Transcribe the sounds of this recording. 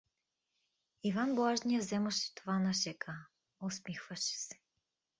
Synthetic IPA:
ivanbˠaʒnʲijəzɛməʃɛ̥t̪ovanɐʃɛkʰə | osmixvəʃɛ̥sɛ̥

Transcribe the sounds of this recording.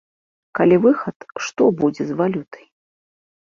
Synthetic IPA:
kalʲivɨxɐt̪ʂt̪ɔbud͡zʲɛzvalʲut̪ɐ̥j

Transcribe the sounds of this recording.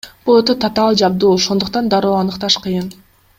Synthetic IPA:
b̥olˠot̪ot̪ʰat̪ɑlˠd͡ʒɑbd̪uːoʃo̞nd̪uqt̪ɑnd̪ɑɾo̞ːɑnɯqt̪ɑʃqʰɯjɯn

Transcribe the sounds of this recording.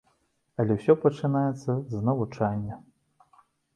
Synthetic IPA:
ɐlʲɛwsʲɔpɐt͡ʂɨnajɛt̪sːɐznɐvut͡ʂanʲːɐ

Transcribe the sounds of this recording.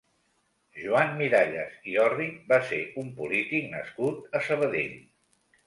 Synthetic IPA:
ʒuammiɾaʎəziɔribaseumpṵlit̪iknə̰skut̪əsəβ̞əðḛʎ

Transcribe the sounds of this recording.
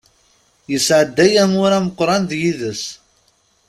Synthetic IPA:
jəsʕəd̪ːæjæmʊɾæməqːɾˤɑnðjiðəs

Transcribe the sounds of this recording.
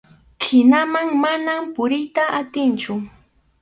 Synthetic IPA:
kʰɪnamaŋmanampʊɾɪjt̪aʔat̪ɪnt͡ʃʊ

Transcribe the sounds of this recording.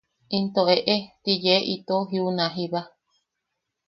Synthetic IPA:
int̪oeʔet̪ijeʔit̪oɦiunãɦiβa

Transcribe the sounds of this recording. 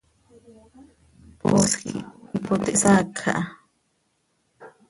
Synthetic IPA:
po̰skḭipot̪eʔsakʰa̰ʔa

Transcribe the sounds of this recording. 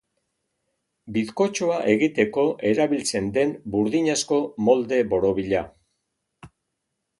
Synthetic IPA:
biðko̞t͡ʃoaʔe̞ɣit̪e̞ko̞ʔe̞ɾaβilt͡se̞nd̪e̞mbuɾðiɲasko̞mo̞ld̪e̞βo̞ɾo̞βiʎa̰

